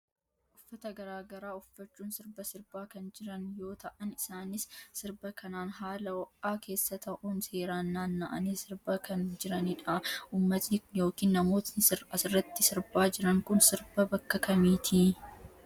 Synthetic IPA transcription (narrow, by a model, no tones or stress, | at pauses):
ʔʊfːɐt̪ɐɡɐɾaːɡɐɾaːʊfːɐt͡ʃːuːnsɪɾbɐsɪɾbaːkɐnd͡ʒɪɾɐnjo̞ːt̪ɐʔɐnɪsaːnɪssɪɾbɐkɐnaːnɦaːlɐwɐʔaːkʰe̞ːsːɐt̪ɐʔuːnse̞ːɾaːnːaːnːɐʔɐneːsɪɾbɐkɐnd͡ʒɪɾɐnɪᶑɐʔuːmːɐt̪nɪjo̞ːkiːnːɐmo̞ːt̪nɪsɪɾɐsɪrːɐt̪ːɪsɪɾbaːd͡ʒɪɾɐŋkʊnsɪɾbɐbɐkːɐkɐmiːt̪ʰi